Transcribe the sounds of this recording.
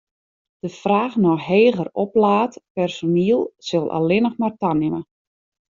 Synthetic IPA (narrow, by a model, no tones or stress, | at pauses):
d̥əfraːxnɔxɦeːɣərɔplaːtpɛrsoniəlˠsølˠʔa̰lˠɪnəxmartanɪmə